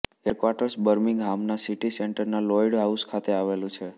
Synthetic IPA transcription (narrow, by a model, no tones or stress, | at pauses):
eɾkʋaʈəɾsbəɾmɪŋɡɦamnasiʈiseɳʈəɾnalɔiɽɦauskʰat̪eaʋelũt͡ʃʰe